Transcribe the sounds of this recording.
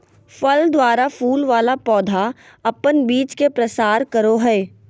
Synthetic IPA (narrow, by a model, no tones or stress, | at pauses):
fəld̪waːɾafuːlʋaːlapɔːd̪ʱa | ɐpənbiːt͡ʃkepɾɐsaːɾkəɾoɦɛː